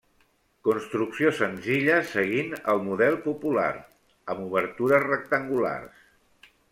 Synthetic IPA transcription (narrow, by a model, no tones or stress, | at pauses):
kunst̪ɾuksiosənziʎəsəɣ̞inəlˠmuðɛlˠpupula̰ɾ | əmuβ̞əɾt̪uɾəzrək̚t̪əŋɡula̰rs